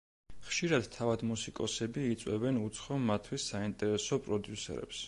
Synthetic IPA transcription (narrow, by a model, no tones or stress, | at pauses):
χʃiɾad̪t̪ʰavad̪musikʼɔsɛbiːt̪sʼwɛbɛnut̪sʰχɔmat̪ʰwisːaint̪ʼɛɾɛsɔpʼɾɔd̪jusɛ̰ɾɛ̰ps